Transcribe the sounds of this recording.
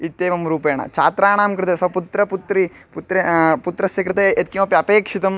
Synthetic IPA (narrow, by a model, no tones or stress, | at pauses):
it̪ːeːʋɐmɾuːpeːɳɐ̰t͡ʃaːt̪ɾaːɳaːmkɾɨt̪esɐput̪ɾɐput̪ɾi | put̪ɾeput̪ɾɐsʋikɾɐt̪eet̪̚kimɐpiɐpeːkʂit̪ɐm